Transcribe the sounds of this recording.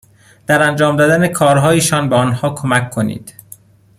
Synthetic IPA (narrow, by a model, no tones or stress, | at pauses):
d̪̥æɾænd͡ʒɒːmd̪ɒd̪ænekʰɒːɾɦɒːjeʃɒːnbeɒnhɒːkʰo̞mækːʰo̞nḭːd̪̥